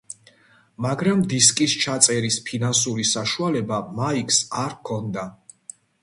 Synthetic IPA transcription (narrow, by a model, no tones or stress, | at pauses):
maɡɾamd̪iskʼist͡ʃʰat̪sʼɛɾispʰinansuɾisaʃualɛbamaikʰsaɾkʰɔnd̪a